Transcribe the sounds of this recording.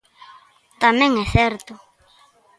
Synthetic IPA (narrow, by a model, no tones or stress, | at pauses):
t̪amẽŋɛsɛɾt̪ʊ